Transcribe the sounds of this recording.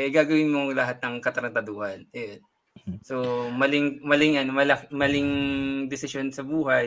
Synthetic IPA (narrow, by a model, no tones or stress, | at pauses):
ɛɡaːɡɐwɪnmolɐɦat̪̚nɐŋkɐt̪ɾɐnt̪ɐd̪oːhɐnɛon | so̞mɐlɪŋmɐlɪŋʔɐnmɐlɐmɐlɪŋd̪ɛsɪʃjonsɐbuːɦɐj